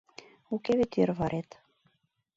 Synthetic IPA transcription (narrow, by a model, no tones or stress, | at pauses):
ukeβet̪erβɑɾʔet̪